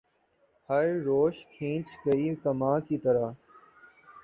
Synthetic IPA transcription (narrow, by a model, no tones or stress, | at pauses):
həɾɾoːʃkʰĩːt͡ʃkəiːkəmãːkiːt̪əɾaː